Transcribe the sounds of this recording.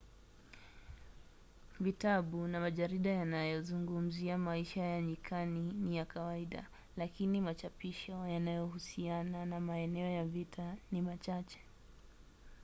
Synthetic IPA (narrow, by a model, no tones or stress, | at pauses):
vitaɓunamaʄaɾiɗajanajɔzuŋɡum̩ziamaiʃajaɲikʰaninijakawaiɗa̰ | lakinimat͡ʃapiʃɔjanajɔhusiananamaɛnɛɔjavitʰanimat͡ʃat͡ʃɛ̥